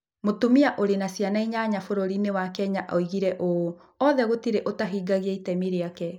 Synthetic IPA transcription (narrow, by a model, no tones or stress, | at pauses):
motumiaʔoɾenasjanaiɲaɲafoɾoɾinewakɛɲaʔɔiɣiɾɛʔo | ɔðɛɣotiɾeʔotaɦiɡaɣeaitɛmiɾeakɛ